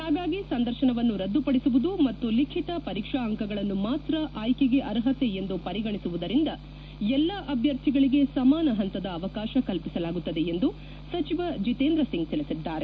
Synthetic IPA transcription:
haːɡaːɡisɐnd̪ɐɾʃɐɳɐʋɐnːuɾɐd̪ːupɐɽisuʋud̪umɐt̪ːulikʰit̪ɐpɐɾiːkʂaɐŋkɐɡɐɭɐnːumaːt̪ɾɐʔaːjkeɡe̞ʔɐɾɦɐt̪ːeend̪upɐɾiɡɐɳisuʋud̪ɐɾind̪ɐ | ɛlːɐʔɐbʱjɐɾt̪ʰiɡɐɭiɡe̞sɐmaːnɐɦɐnt̪ɐd̪ɐːʋɐkaːʃɐkɐlpisɐlaːɡut̪ːɐd̪e̞end̪u | sɐt͡ʃiʋɐd͡ʒit̪eːnd̪ɾɐsiŋɡ̚t̪ilisid̪ːaːɾe

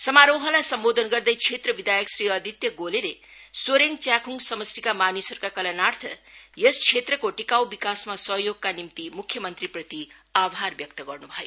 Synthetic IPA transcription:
sʌmaɾoɦʌlajsʌmbod̪ʱʌnɡʌrd̪ʌjkʰet̪rʌbid̪ʱajʌksɾiʌd̪ʱit̪jʌɡolele | soɾeŋt͡sjakʰuŋsʌmʌstikamanisʌrkakʌlʌnart̪ʰʌjʌskʰet̪rʌkoʈikawbikasmasʌɦjoɡ̚kanimt̪imukʰjʌmʌnt̪riprʌt̪iabʱarbjʌk̚t̪ʌɡʌrnubʱʌjo

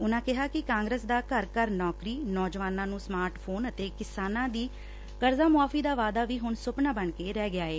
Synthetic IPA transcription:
ʊnãːkɪɦaːkɪkãːŋɡɾəːsd̪aːkəɾkəɾnɔːkɾiːnɔːd͡ʒʋaːnãːnũːsmaːɾʈpʰoːnət̪eːkɪsaːnãːd̪iː | kəɾzaːmʊaːfiːd̪aːʋaːd̪aːʋiːɦʊɳsʊpnaːbəɳkeːɾɛːɡɪaːeː

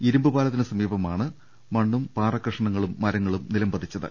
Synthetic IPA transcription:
iɾumbɨbaːlɐt̪ːinɨsɐmiːbɐmaːɳɨ | mɐɳːumpaːrɐkrɨʂɐɳɐŋːɐɭumːɐɾɐŋːɐɭumnilɐmbɐðʱit͡ɕːɐðɨ̰

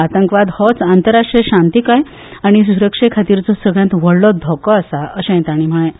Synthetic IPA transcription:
at̪əŋkʋad̪hɔt͡sant̪əɾaʂʈɾeɕãnt̪ikaj | aɽ̃isuɾəkʂekʰat̪iːɾt͡sɔsəɡɭjãt̪ʋəɽlɔd̪ʱɔkɔasaʔəɕẽj̃t̪aɽ̃im̤əɭẽ

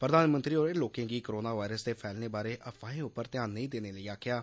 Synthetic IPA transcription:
pɾəd̪aːnmə̃nt̪ɾiːoːɾeloːkẽːɡiːkəɾoːnaːʋaːɪɾəsd̪eːpʰɛːlneːbaːɾeːʔəpʰaːẽːʊpːəɾt̪ɪjaːnːəĩːd̪eːneːləiːaːkʰjaː

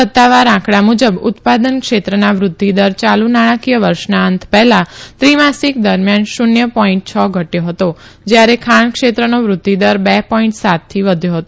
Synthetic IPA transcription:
ət̪ːaʋaɾãkʰɽamud͡ʒəbʊt̪pad̪ənkʃet̪ɾənaʋɾʊd̪ʱːid̪əɾt͡ʃalunaɽ̃ãkijəʋəɾʃnaənt̪ʰpɛɦlãt̪ɾimasik̚d̪əɾmjanʃʊnjəpɔiɳʈ̚t͡ʃʰəɡʱəʈjoɦət̪od͡ʒjaɾekʰaɳkʃet̪ɾənoʋɾʊd̪ʱːid̪əɾbɛpɔiɳʈsat̪ʰːiʋəd̪ʱjoɦət̪o

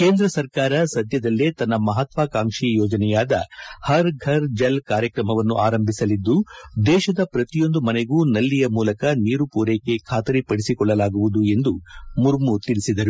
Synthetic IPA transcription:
ke̞ːnd̪ɾɐsɐɾkaːɾɐsɐd̪ʱjɐd̪ɐlːet̪ɐnːɐmɐɦɐt̪ʋaːkaːŋʂijɔːd͡ʒɐnɛjaːd̪ɐ̰hɐɾɡʱɐɾd͡ʒɐlkaːɾjɐkɾɐmɐʋɐnːuʔaːɾɐmbʱisɐlid̪ːud̪ɛːʃɐd̪ɐpɾɐt̪ijo̞nd̪umɐneɡuːnɐlːijɐmuːlɐkɐniːɾupuːɾeːke̞kʰaːt̪ɐɾipɐɽisikɔɭːɐlaːɡuʋud̪ue̞nd̪umuɾmut̪iɭisid̪ɐɾu

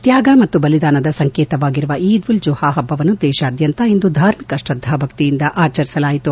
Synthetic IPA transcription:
t̪jaːɡɐmɐt̪ːubɐlid̪aːnɐd̪ɐsɐŋkeːt̪ɐʋaːɡiɾuʋɐʔiːd̪ʋuld͡ʒuhaːɦɐbːɐʋɐnːud̪ɛːʃaːd̪jɐnt̪ɐend̪ud̪ʱaːɾmikɐʃɾɐd̪ʱːɐbʱɐkt̪ijind̪ɐʔaːt͡ʃɐɾisɐlaːjit̪u

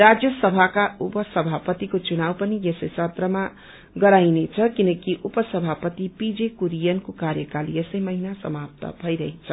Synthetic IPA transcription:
ɾad͡zjʌsʌbʱakaupʌsʌbʱapʌt̪ikot͡sunawpʌnijesʌjsʌt̪rʌma | ɡʌɾajnet͡sʰʌkinʌkiʔupʌsʌbʱapʌt̪ipid͡zekuɾijʌnkokaɾjʌkalijesʌjmʌɦinasʌmap̚t̪ʌ̰bʱʌiɾʌɦet͡sʰʌ

